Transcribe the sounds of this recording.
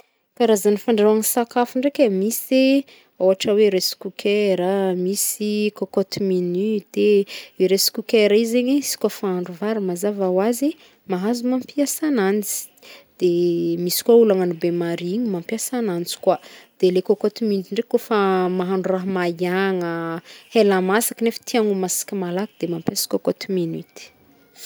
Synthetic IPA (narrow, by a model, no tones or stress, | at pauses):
kaɾazanifaɳɖ͡ʐaaŋisakafuɳɖ͡ʐekʲamise | awaʈ͡ʂaweɾesi̥kukʰeɾəmisikokot̪iminyd̪̥eiɾesi̥kukeɾaizeɲeisi̥kwafaaɳɖ͡ʐuvaɾimazavawazi | maɦazumampiasanant͡si̥ | d̪̥emisi̥kwaulaŋanibemaɾiiɲimampiasanant͡si̥kwad̪̥elekokot̪iminyt̪iɳɖ͡ʐekːofamaɦaɳɖ͡ʐuraɦmaaŋəhelamasḁkinefə̥t̪ʰiaŋumasi̥kʲimalakid̪̥emampjasi̥kokot̪iminy̰t̪i̥